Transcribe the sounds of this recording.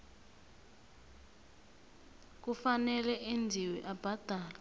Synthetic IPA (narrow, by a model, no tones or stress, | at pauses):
k̬ufanɛlɛʔend͡zʱiwiʔab̥ʱad̥ʱaːla